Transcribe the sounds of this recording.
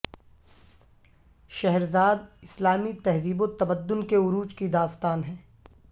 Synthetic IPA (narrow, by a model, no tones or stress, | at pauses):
ʃɛɦɾzaːd̪̚ɪslaːmit̪ɛɦziːbot̪ɐbəd̪ːʊnkeʊɾuːt͡ʃkid̪aːst̪aːnɦɛ̃ː